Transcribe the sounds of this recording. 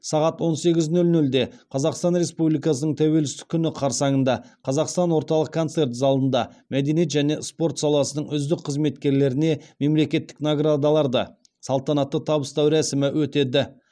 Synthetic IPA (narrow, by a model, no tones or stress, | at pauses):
sɑʁɑt̪wo̞nse̞ɡʲɪznɵlnɵld̪e̞qʰɑzɑqst̪ɑnɾe̞spublijkɑsənəɴt̪ʰæwe̞lsɪt̪ɪ̥kʲʰːʏnɪqʰɑɾsɑɴənd̪ɑqʰɑzɑqst̪ɑnwo̞ɾt̪ɑlˠəq̚kʰːo̞nse̞ɾt̪zɑlˠənd̪ɑmæd̪eniet̪ʒæne̞spo̞ɾt̪sɑlˠɑsənəɴʏzd̪ɪk̚qʰːəzme̞t̪kʲe̞ɾle̞ɾɪne̞me̞mle̞kʲe̞t̪ːɪ̥knaɡɾad̪ɑlˠɑɾd̪ə̰ | sɑlˠt̪ɑnɑt̪ːət̪ʰɑbəst̪ɑwɾæsɪmɪwɵt̪e̞d̪ɪ